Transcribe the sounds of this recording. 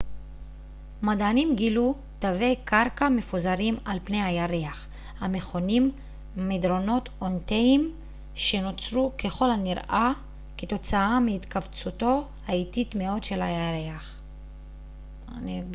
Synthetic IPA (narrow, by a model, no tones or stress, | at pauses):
madanimɡilu | tave̞jkaɾkame̞fuzaɾimalpne̞jhajaɾeaχ | hame̞χo̞nimː | edɾo̞no̞t̪onteim | ʃe̞no̞t͡sɾuke̞χo̞lhaniɾʔa | ket̪o̞t͡saameit̪kavt͡suto̞ | haititmeo̞dʃe̞lajaʁeaχ | ani